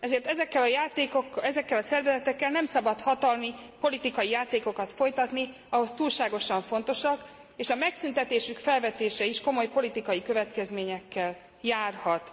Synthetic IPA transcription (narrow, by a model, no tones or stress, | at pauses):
ɛzeːrt̪ɛzɛkːɛlɒjaːt̪eːkokːɛzɛkːɛlɒsɛrvɛzɛt̪ɛkːɛlnɛmsɒbɒt̪hɒt̪ɒlmipo̞lit̪ikɒjijaːt̪eːko̞kɒt̪fo̞jt̪ɒt̪ni | ɒɦo̞st̪uːlʃaːɡo̞ʃɒɱfo̞n̪t̪o̞ʃɒk | eːʃɒmɛksynt̪ɛt̪eːʃykfɛlvɛt̪eːʃɛiʃko̞mo̞jpo̞lit̪ikɒjikø̞vɛt̪kɛzmeːɲɛkːɛl | jaːrhɒt̪